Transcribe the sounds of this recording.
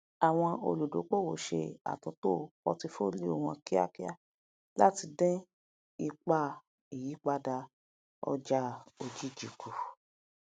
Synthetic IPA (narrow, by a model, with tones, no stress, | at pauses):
a˨w̃ɔ̃˧o̰˧lu˨do̰˨˦k͡po˦˨wo˨ʃe˧a̰˨tũ˨˦to˦˨kɔ˧ti˧fo˦li˦o˦˨w̃ɔ̃˧˨ki˦a̰˦ki˦a˦ | la˦ti˧dɛ̃˦ | i˧k͡pa˦ | i˨ji˨˦k͡pa˧da˧ | ɔ̰˧d͡ʒa˧o˨d͡ʒi˦d͡ʒi˨kʰu˨